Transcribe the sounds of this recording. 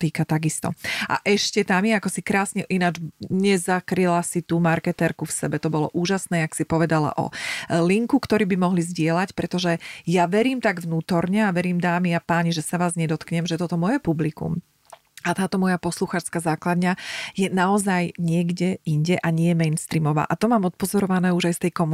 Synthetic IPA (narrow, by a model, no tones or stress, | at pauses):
t̪iːkat̪aɡist̪ɔ̰a̰ʔɛʃcɛt̪amjɛakɔsikɾaːsɲɛʔinad͡ʒɲɛzakɾilasit̪uːmaɾkɛt̪ɛɾkufsɛbɛt̪ɔbɔlɔ̰ʔuːʒasnɛːaksipɔʋɛd̪ala̰ʔɔ̰liŋkukt̪ɔɾiːbimɔɦlizɟɪɛlacpɾɛt̪ɔʒɛjaʋɛɾiːmt̪aɡʋnuːt̪ɔɾɲɛaʋɛɾiːmd̪aːmiapaːɲiʒɛsaʋaːzɲɛd̪ɔt̪kɲɛmʒɛt̪ɔt̪ɔmɔjɛpublikṵm | at̪aːt̪ɔmɔjapɔsluxaːt͡ʃskazaːklad̪ɲajɛnaɔzajɲɪɛɡɟɛiɲɟɛʔaɲɪɛjɛmɛjnst̪ɾiːmɔʋa̰ːʔat̪ɔmaːmɔt̪̚pɔzɔɾɔʋanɛːuʒajst̪ɛjkɔm